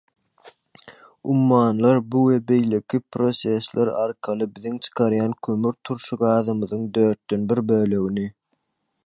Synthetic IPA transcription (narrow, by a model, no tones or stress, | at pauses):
umːɑːnlˠɑɾbuwebe̞jle̞kʰipʰɾo̞se̞slʔeɾɑ̰ɾqʰɑlˠɯbiðiŋt͡ʃʰɯ̥qʰɑɾjɑːnkʰømyɾt̪ʰuɾʃuɡɑːðɯmɯðɯŋd̪øːɾt̪̚d̪ø̞nbiɾbøːlø̞ɣini